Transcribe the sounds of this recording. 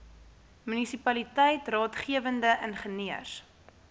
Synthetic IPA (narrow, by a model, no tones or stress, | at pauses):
mynisipɐlitɛjtrɑːtχiəvəndəʔənχəniəs